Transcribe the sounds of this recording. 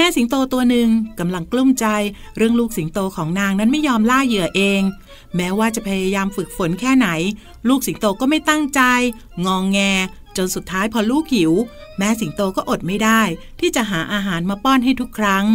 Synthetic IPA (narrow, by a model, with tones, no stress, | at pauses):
mɛː˦˥si˨˩˦ŋt̪oː˧t̪u˧ɐnɯ˨˩ŋka˧mla˧ŋklu˥˩mt͡ɕa˧j | ɾɯ˥˩əŋluː˥˩k̚si˩˦ŋt̪oː˧kʰɔː˩˦ŋnaː˧ŋna˦˥nma˥˩jɔː˧mlaː˥˩jɯ˨˩ɐʔeː˧ŋ | mɛː˦˥waː˥˩t͡ɕa˨˩pʰa˧jaː˧jaː˧mfɯ˨˩k̚fo˩˦nkʰɛː˥˩na˩˦j | luː˥˩k̚si˩˦nt̪oː˧kɔː˥˩ma˥˩jt̪a˥˩ŋt͡ɕa˧j | ŋɔː˧ŋːɛː˧ | t͡ɕo˧nsu˨˩t̪ʰːaː˦˥jpʰɔ˧luː˥˩kʰːi˨˩˦w | mɛː˦˥si˩˦nt̪oː˧kɔː˥˩ʔo˨˩t̪̚ma˥˩jdaː˥˩jt̪ʰiː˥˩t͡ɕa˨˩ʔɦaː˩˦ʔaː˧ɦaː˩˦nmaː˧pɔː˥˩nɦa˥˩jt̪ʰu˦˥kʰːɾa˦˥ŋ